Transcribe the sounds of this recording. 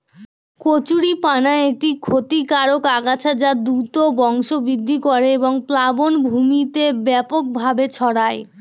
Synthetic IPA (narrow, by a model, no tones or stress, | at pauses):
kot͡ɕuɽipanaeeʈikʰot̪ikaɾokaɡat͡ɕʰad͡ʑad̪ut̪obɔŋʃobid̪ʱːikoɾeeboŋplabonbʱumit̪ebɛpok̚bʱabet͡ɕʰɔɽae